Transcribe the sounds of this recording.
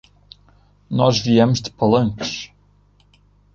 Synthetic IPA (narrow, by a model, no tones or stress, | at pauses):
nɔʒviɛmʊʒd̪ɨpɐlˠɐ̃ŋkʃ